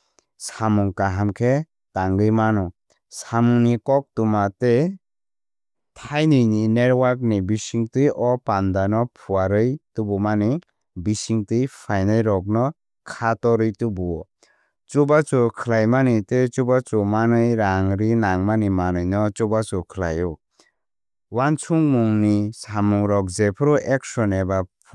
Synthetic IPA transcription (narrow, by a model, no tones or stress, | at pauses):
samuŋkaɦamkʰe | taŋɡɯjmanɔ | samuŋnikɔk̚tumate | tʰajnɯjnineɾwaɾk̚nibisiŋtɯjɔpandanɔpʰuaɾɯjtubumani | bisiŋtɯjpʰajnajɾɔk̚nɔ | kʰatɔɾɯjtubu | t͡ʃubat͡ʃukʰɯlajmanɯtet͡ʃubat͡ʃumanɯjɾaŋɾinaŋmanimanɯjnɔt͡ʃubat͡ʃukʰɯla̰jɔ | want͡ʃʰuŋmuŋnisamuŋɾɔk̚zepʰɾuʔek̚sɔnebapʰ